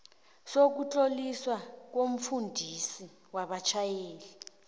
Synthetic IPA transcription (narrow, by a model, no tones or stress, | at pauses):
sok̬ut͡ɬʼoliswak̬om̩fundʱisi | waɓat͡ʃʰajeːli